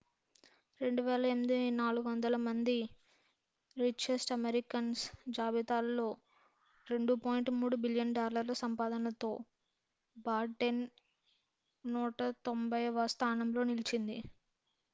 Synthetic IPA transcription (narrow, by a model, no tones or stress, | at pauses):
ɾe̞ɳɖuʋɛːlɐemid̪inaːluɡuʋɐnd̪ɐlɐmɐnd̪i | ɾit͡ʃːesʈɐmeɾikɐnsd͡ʒaːbit̪aːlːo̞ː | ɾe̞ɳɖupoːjiɳʈmuːɽubiljɐnɖaːlːɐɾlɐsɐmpaːd̪ɐnɐt̪o̞ː | baːɾʈːen | uːʈɐt̪o̞mbɐjʋɐst̪ʰaːnɐmlo̞ːnilit͡ʃind̪i